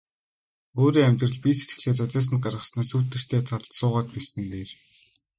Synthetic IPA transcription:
oːɾiːæmʲt̪rə̆ɮpʲiset̪ɡɘ̆ɮeːt͡sœt̪æːs̬ə̆nɢarʁə̆snaːsuːt̪ːɘ̆r̥t̪ʰeːt̪ʰasʊːʁaːt̪̚piːsɘ̆nt̪eːr

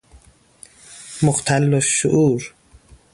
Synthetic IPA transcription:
moqt̪ʰælːoʃːuʔuːɾ

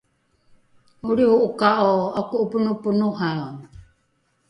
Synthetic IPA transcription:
uɾiuʔukaʔoakuʔupunupunuɦao

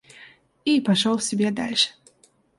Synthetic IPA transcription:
ipaʂɔlˠsʲɪbʲɛd̪alʲʂɨ̥

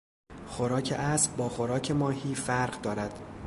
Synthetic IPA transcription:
xoɾɒːcʰḛʔæsbbɒːxo̞ɾɒːcʰe̞mɒːhiːfæɾɢd̪ɒːɾæd̪̥

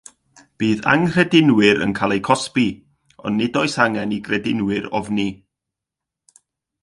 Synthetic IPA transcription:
b̥iːða̰ŋr̥ɛdɪnwɪɾə̰nkʰaːlˠejkʰɔspi | ɔ̰nːɪdɔɨsaŋɛniɡrɛdɪnwɪɾɔ̰vni

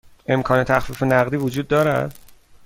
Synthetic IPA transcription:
ʔe̞mkʰɒːne̞t̪ʰæxfiːfe̞næɣd̪iːvod͡ʒuːd̪̚ːɒːɾæ̰d̪̥

